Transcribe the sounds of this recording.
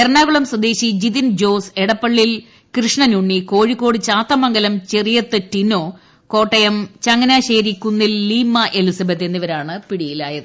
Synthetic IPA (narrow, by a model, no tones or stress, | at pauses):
erɳaːɣuɭɐmsɐd̪eːɕid͡ʑit̪ind͡ʑo̞ːseɽɐpːɐɭːil | krɨʂɳɐnuɳːiko̞ːɻikːo̞ːɽɨt͡ɕaːt̪ːɐmɐŋɡɐlɐmt͡ɕerijɐt̪ːɨtinoː | ko̞ːʈːɐjɐmt͡ɕɐŋːɐnaːɕeːɾikʲːunːilːiːmːɐʔelusɐbʱɐt̪ːe̞nːiʋɐɾaːɳɨpiɽijilaːjɐðɨ